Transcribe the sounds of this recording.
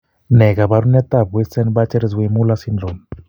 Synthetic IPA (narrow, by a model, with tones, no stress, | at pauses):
nɛ˨ɣa˨βa˦ɾu˦na˦t̪a˦˨βwɛ˦sɛ˦nba˦t͡ʃɛ˦ɾɛ˦zwe˨mu˦la˦si˦nd͡ɮo˨n